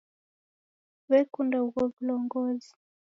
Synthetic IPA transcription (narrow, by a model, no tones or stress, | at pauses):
βɛkundauɣɔvilɔŋɡɔzi